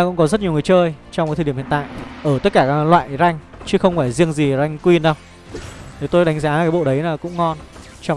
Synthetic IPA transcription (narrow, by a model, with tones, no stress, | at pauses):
a˧kʊ̰˧˥ŋ͡mkɔ˨˦zə˦˥t̚ɲ˨˩əwŋ˨˩ət͡ɕəː˧jt͡ɕɔ˧wŋ͡mkːt̪ʰə̰˨˩˧t̪a̰ː˧˨jʔəː˧˩t̪ə˦˥t̚kaː˧˩kaː˨˦lwa̰ː˧˨jza˧jŋ̟t͡ɕɨ˦əxə˧wŋ͡mfaː˧˩jzi˧əŋzi˨˩za˧jŋ̟kwi˧nɗa˧˩w | ne˨˦t̪o˧jɗa˨˦ŋ̟zaː˨˦kaː˨˦jɓo̰˧˨ɗə˨˦jnaː˨˩kʊ̰˧˥ŋ͡mŋɔ˧n | t͡ɕɔ˧